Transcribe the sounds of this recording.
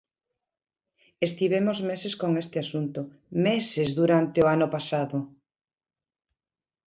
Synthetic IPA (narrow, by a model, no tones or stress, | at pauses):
est̪iβ̞emozmeseskoŋest̪ɪasunt̪ʊ | mesezðuɾant̪eoanʊpasaðʊ